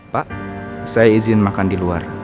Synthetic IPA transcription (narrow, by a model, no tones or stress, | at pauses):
paʔsajaizɪnmakandilua̰r